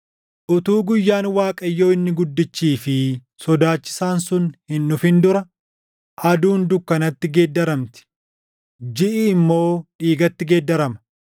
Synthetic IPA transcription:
ʔʊt̪uːɡʊjːaːnwaːkʼɐjːo̞ːɪnːɪɡʊd̪ːɪt͡ʃːiːfɪ | sɔd̪aːt͡ʃːɪ̥saːnsʊnhɪnːʊfɪnd̪ʊɾɐ | ʔɐd̪uːnd̪ʊkːɐnɐt̪ːɪɡeːd̪ːɐɾɐmt̪ɪ̥ | d͡ʒɪʔɪɪmːo̞ːᶑiːɡɐt̪ːɪɡeːd̪ːɐɾɐmɐ̥

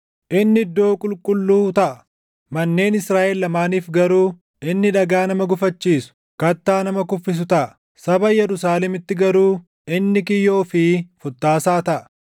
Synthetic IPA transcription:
ʔɪnːɪɪd̪ːo̞ːkʼʊlkʼʊlːuːt̪ɐʔɐ | mɐnːe̞ːnɪsɾaːʔɛlːɐmaːniːfɡɐɾuː | ʔɪnːɪᶑɐɡaːnɐmɐɡʊfɐt͡ʃːiːsʊ̥ | kɐt̪ːaːnɐmɐkʊfːɪs̬ʊt̪ɐʔɐ | sɐbɐjɛɾʊsaːlɛmɪt̪ːɪɡɐɾuː | ɪnːɪkɪjːo̞ːfɪfʊt̪ːaːsaːt̪ɐʔɐ̥

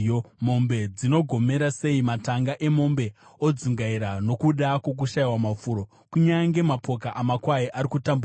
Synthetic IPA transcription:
mo̞mbe̞d͡zino̞ɡʱo̞me̞ɾase̞imataŋɡaʔe̞mo̞mbe̞o̞d͡ziŋɡaiɾano̞kuɗakwo̞k̬uʃaiwamafuɾo̞ | kuɲaŋɡe̞mapo̞kaʔamakwaiʔaɾikutambu

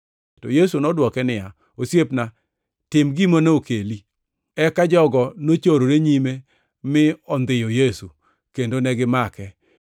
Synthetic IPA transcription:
tojesunɔdwɔkɛnɪa | osjepna | tɪmɡimonɛokeli | ɛkad͡ʒɔɡɔnot͡ʃoɾoɾeɲime | mɪɔnd̪ɪjojesu | kendonɛɡɪmakɛ

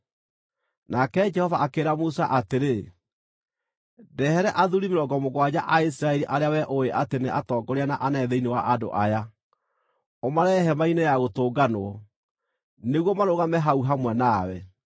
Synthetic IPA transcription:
nakɛd͡ʒɛhɔvaakeːɾamusaʔateɾe | dɛhɛɾɛʔaðuɾimeɾɔɡɔmoɣwad͡ʑaʔais̬iɾaɛɾiʔaɾeawɛʔoeʔateneʔatɔːɡɔɾeanaʔanɛðɛinewaʔado̰ʔaja | omaɾɛɦɛmainejaɣotoːɡanoɔ | neɣwɔmaɾoɣamɛɦauɦamwɛnawɛ

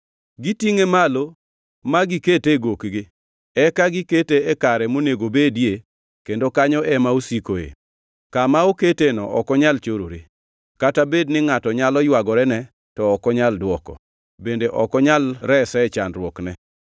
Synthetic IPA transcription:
ɡitiŋemalo | maɡiketeɡokɡɪ | ɛkaɡɪketeekaɾɛmoneɡobedje | kendokaɲɔʔɛmaosikoḛ | kamaoketenɔ̰ʔɔkɔɲalt͡ʃoɾoɾe | katabednɪŋatɔɲalɔjwaɡɔɾɛnɛ | tɔɔkɔɲaldwɔkɔ̰ | bendeʔɔkɔɲalɾɛsɛɛt͡ʃanɾwɔknɛ

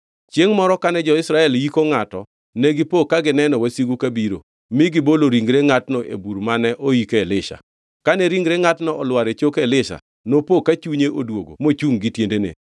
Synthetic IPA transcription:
t͡ʃjeŋmɔɾɔkanɛd͡ʒɔɪsɾaɛljikoŋatɔ̰ | nɛɡɪpokːaɡɪnɛnɔwasiɡukabiɾo̰ | mɪɡɪboloɾiŋɡɾeŋatnɔʔḛbuɾmanɛʔoikɛlɪʃa̰ | kanɛɾiŋɡɾeŋatnɔʔɔlwaɾet͡ʃokɛlɪʃa̰ | nopokat͡ʃuɲeʔodwoɡo̰mot͡ʃuŋɡɪtjendenḛ

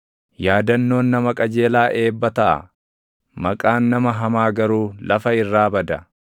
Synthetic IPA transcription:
jaːd̪ɐnːo̞ːnːɐmɐkʼɐd͡ʒeːlaːʔe̞ːbːɐt̪ɐʔɐ̰ | mɐkʼaːnːɐmɐɦɐmaːɡɐɾuːlɐfɐɪrːaːbɐd̪ɐ

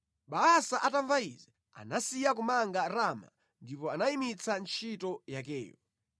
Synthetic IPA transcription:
ɓaasaʔataɱvaizɛ | a̰nasijak̬umaŋɡaɾama̰ | ndipɔanaimit͡sʰant͡ʃʰitɔjak̬ɛ̰ːjɔ

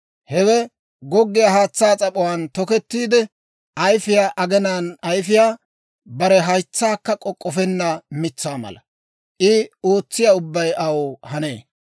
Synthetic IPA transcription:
hɛwɛ | ɡɔɡːɪjahaːt͡sːaːt͡sʼɐpʼɔwant̪ɔkɛt̪ːiːd̪ɛ | ʔɐjfɪjaːʔɐɡɛnaːnɐjfɪjaː | bɐɾɛɦɐjt͡sːaːkːɐkʼːɔkʼːɔfɛnːɐmɪt͡sːaːmɐ̰lɐ | ʔɪo̞ːt͡sːɪjaʊbːɐjʔɐwhɐnḛː

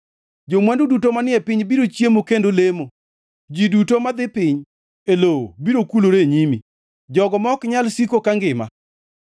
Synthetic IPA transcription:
d͡ʒomwandudutomanɪɛpɪɲbiɾot͡ʃjemokendolemo | d͡ʒidutomad̪ɪpɪɲ | elobiɾokuloɾeɲimḭ | d͡ʒɔɡɔmɔkɲalsikokaŋɡɪma̰

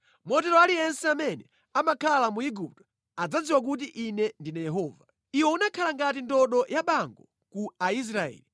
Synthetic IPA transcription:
mɔtɛɾɔalijɛnsɛamɛnɛ | amakʰalamuiɡup̚tɔ̥ | ad͡zad͡ziwak̬ut̬iʔinɛndinajɛɦɔːva | iwɔunakʰalaŋɡat̬indɔɗɔjaɓaŋɡɔ | kuais̬ɾaɛ̰ːli

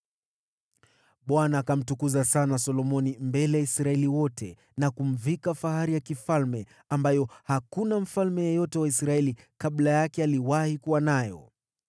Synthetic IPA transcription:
ɓwanaːkam̩tukuzasanasɔlɔmɔnimbɛlɛjaisɾaɛliwɔtʰɛ | nakum̩vikafaɦaɾijakifalmɛ | ambajɔhakunam̩falmɛjɛjɔtɛwaisɾaɛli | kaɓlajakɛaliwahikuwanajɔ̰

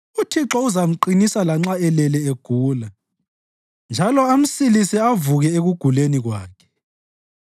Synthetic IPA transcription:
utʰiǁɔuzam̩ǃinisalaŋ͡ǁaɛlɛlɛeɡ̥ʱuːla | nd͡ʒʱalɔam̩silisiavuɣɛeɣuɡ̥ʱuleniɣwa̰ːkʰɛ̥

